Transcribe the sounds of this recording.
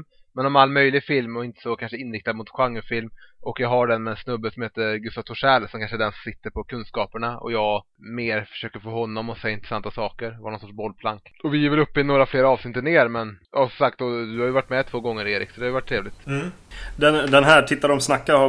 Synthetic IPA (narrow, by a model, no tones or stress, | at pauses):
mɛnɔmalːmœjlɪɡfɪlmɔɪnt̪ə̥sɔkʰanʂəɪnɾɪk̚t̪ad̪mʊt̪ɧaŋːʉfɪlmʔɔkjɑɡɦaɖɛnmɛɛnsnɵbːəsɔmheːt̪əɡɵst̪avt̪ʰʊʂɛːlsɔmkʰanʂəɛɖɛnsɔmsɪt̪ːəɾpʰɔkʰɵnskɑːpəɳaɔ̰jɑːɡ | meːɾfœ̥ʂøːkəɾfoːɦɔnːɔmɔsɛjːaɪnɾɛsant̪ːasɑːkəɾvanɔnsɔʈːʂbɔlːpʰlaŋkɔvɪjɪvɛlɵpːɪnoːɾafleːɾaɑːvsnɪt̪ːəɳeːɾmɛnja̰sɔsak̚t̪ɔd̪ɵhaɾjʏvaʈːmɛt̪ʰv̥oːɡɔŋːəɾeːɾɪ̰ksɔd̪ɛhajʏvaʈʰːɾeːvlɪt̪ | d̪ɛnd̪ɛnɦæːʈʰɪt̪ːad̪ɔmsnakːaha